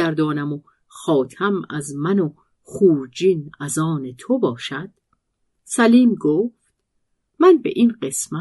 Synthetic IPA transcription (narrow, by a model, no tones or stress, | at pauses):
æɾd̪ɒːnæmo | xɒːt̪ʰæmæzmæno | χuːɾd͡ʒinæzɒːne̞t̪ʰobɒːʃæd̪̥ | sæliːmɡoːft̪ | mænbḛʔinɢe̞smæ